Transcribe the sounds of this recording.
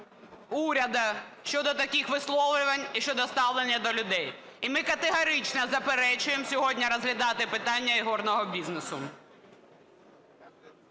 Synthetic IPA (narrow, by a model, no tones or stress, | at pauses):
uɾʲɐd̪ɐʃt͡ʃɔd̪ɔt̪ɐkixʋɪslˠɔʋlʲʊʋɐnʲiʃt͡ʃɔd̪ɔst̪ɑʋlˠenʲːɐd̪ɔlʲʊd̪ɛj | imɪkɐt̪eɦɐɾɪt͡ʃnɐzɐpeɾɛt͡ʃʊjemsʲɔɦɔdʲnʲɐɾɔzɦlʲɐd̪ɑt̪ɪpɪt̪ɑnʲːɐiɦɔrnɔɦɔbʲiznesʊ